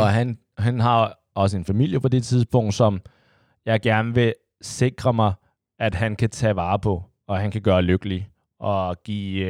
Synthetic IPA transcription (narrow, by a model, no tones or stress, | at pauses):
ɒ̽ɦæn | ɦænɦɑ̈ | ɒ̽səe̝nfæmil̰jəpʰɒ̽d̥e̝t͡sʰiðˠsb̥ɔ̽ŋ̰d̥sɒ̽m | jɑ̈ɪɡ̥æɐnəʋe̝ | se̝ɡ̥ʁɐmɑ̈ɪ | æd̥ɦænkʰæt͡sʰɛ̰ːʋɑ̈ːpʰɒ̽ | ɒ̽ɦænkʰæɡ̥ɶːɐløɡ̥əli | ʔɒ̽ɡ̥ḭː